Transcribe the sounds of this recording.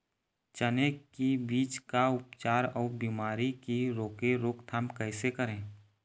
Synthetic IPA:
t͡ʃənekibiːt͡ʃkaʊpt͡ʃaːɾɔːbiːmaːɾikiɾoːkeɾoːkt̪ʰaːmkɛːɪsekəɾẽː

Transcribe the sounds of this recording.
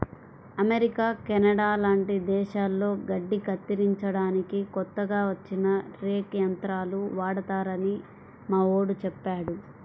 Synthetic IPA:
ɐmeɾikaːkɛnɐɽaːlaːɳʈid̪ɛːʃaːlːo̞ːɡɐɖːikɐt̪ːiɾiɲt͡ʃɐɽaːnikikɔt̪ːɐɡaːʋɐt͡ʃːinɐɾeːkjɐnt̪ɾaːluʋaːɽɐt̪aːɾɐni | maːo̞ːɽut͡ʃɛpːaːɽu

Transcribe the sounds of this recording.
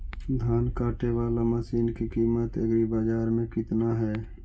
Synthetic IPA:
d̪ʱaːnkaːʈeʋaːlaməsiːnkikiːmət̪əɡɾibaːd͡ʒaːɾmẽkɪt̪naɦɛː

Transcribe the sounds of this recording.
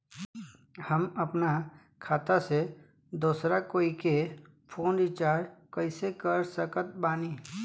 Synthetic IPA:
həmɐpna | kʰaːt̪ase | d̪oːsɾakoːike | pʰoːnɾit͡ʃaːɾɾkəɪsekəɾsəkət̪̚baːniː

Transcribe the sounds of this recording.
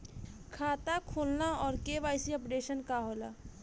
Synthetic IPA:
kʰaːt̪akʰolnaɔːɾkeʋajsiəpɖeʃənkaɦola̰

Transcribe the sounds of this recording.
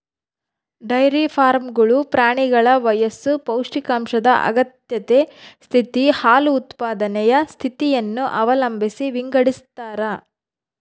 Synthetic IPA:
ɖɐjɾipʰaːɾmɡɐɭupɾaːɳiɡɐɭɐʋɐjɐsupɐwʂikaːmʃɐd̪ɐʔɐ̰ɡɐt̪jɐt̪est̪ʰit̪ihaːluːt̪paːd̪ɐnɛjɐst̪ʰit̪ijɐnːuʔɐʋɐlɐmbʱisiʋiŋɡɐɽist̪ːaːɾɐ

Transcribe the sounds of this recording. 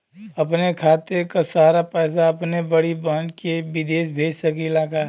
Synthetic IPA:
ɐpnekʰaːt̪ekasaːɾapɛːs̬aɐpnebəɽibəːnkebɪd̪eːʃbʱeːd͡ʒsəkilaːka

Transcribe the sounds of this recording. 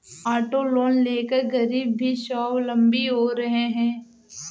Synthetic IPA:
aːʈoloːnleːkəɾɡɐɾiːb̚ːʱiʃɔːwlɐ̃mbiɦoɾɐɦeɦɛ̃ː

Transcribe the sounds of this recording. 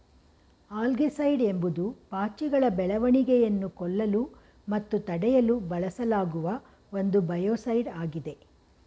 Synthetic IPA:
aːlɡisɐjɖe̞mbud̪upaːt͡ʃiɡɐɭɐbɛɭɐʋɐɳiɡɛjɐnːukɔɭːɐlu | mɐt̪ːut̪ɐɽɛjɐlubɐɭɐsɐlaːɡuʋɐ | o̞nd̪ubɐjoːsɐjɖaːɡid̪e̞

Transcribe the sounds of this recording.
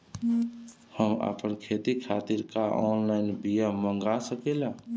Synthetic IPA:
həma̰pənkʰet̪ikʰat̪iɾkaʔɔnlaɪnbijəməŋɡasəkela

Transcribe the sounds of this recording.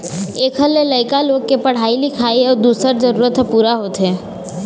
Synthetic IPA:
eːkʰɦəlːeləɪkaloːɡ̚kepəɽ̤aːilɪkʰaːiɔːɾd̪uːsəɾd͡ʒəɾuːɾət̪puːɾaɦoːt̪ɦẽː

